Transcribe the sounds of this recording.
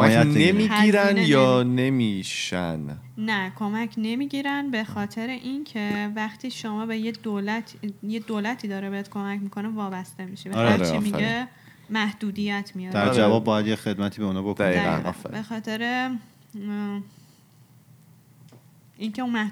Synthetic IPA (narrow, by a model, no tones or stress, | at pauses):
mjænemiiːɾænjɒːne̞miʃæ̰nːækʰo̞mæcʰne̞miːɟiːɾænbe̞xɒːt̪ʰe̞ɾeʔincʰe̞væxt̪ʰiːʃomɒːbejed̪olæt̪ʰjed̪oːlæt̪ʰiːd̪ɒːɾebeed̪̥kʰo̞mæcmikʰo̞nevɒːbæst̪e̞miʃe̥eɾeɾet͡ʃḭmiɡe | mæhd̪̥uːd̪ijæt̪ʰmijɒːd̪̥æɾɾd͡ʒævɒːbbːɒːjæd̪jexe̞d̪̚mæt̪ʰiːbeunɒːbokoæiːæ̰nɒ̰fḛbe̞xɒːt̪ʰe̞ɾe | ʔincʰe̞unmæ